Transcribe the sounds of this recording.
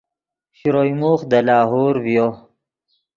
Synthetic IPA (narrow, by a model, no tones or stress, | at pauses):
ɕɾojmuxd̪əlɑːɦoːɾvjo